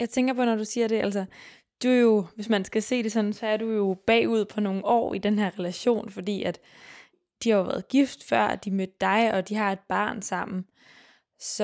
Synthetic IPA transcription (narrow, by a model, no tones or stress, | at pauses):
jɑ̈ɪt͡sʰeŋɡ̥ɐpʰɒ̽nɒd̥usiːɐɾe̝æl̰sɐ | d̥uæɐjo̝ʋe̝smænsɡ̥æse̝̰ːd̥e̝sɒ̽n̩sɒ̽æɐdujo̝b̥ɛ̰ːuð̞̰ˠpʰɒ̽no̝ːŋ̩ɒ̰ːid̥enɦeɐ̰ʁɛlæɕo̝̰ːnfɒ̽d̥ḭːæd̥ | d̥ihɑ̈jo̝ʋæ̰ːɐð̩ˠɡ̥ifd̥fɶɐ̰æd̥imød̥̚ːɑ̈ɪɒ̽d̥iɦɑ̈e̝d̥̚b̥ɑ̈ːnsɑ̈m̰n̩ | s